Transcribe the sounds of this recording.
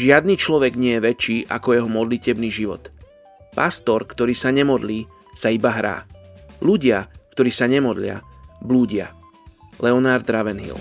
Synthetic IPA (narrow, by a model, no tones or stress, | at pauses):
ʒɪad̪niːt͡ʃlɔʋɛɡɲɪɛjɛʋɛt͡ʃiːʔa̰kɔjɛɦɔmɔd̪licɛbniːʒiʋɔ̰t̪ | past̪ɔɾkt̪ɔɾiːsaɲɛmɔd̪liː | saibaɦɾa̰ːluɟɪakt̪ɔɾiːsaɲɛmɔd̪lɪa̰bluːɟɪa̰ | lɛɔnaːɾd̪ɾaʋɛnɦḭl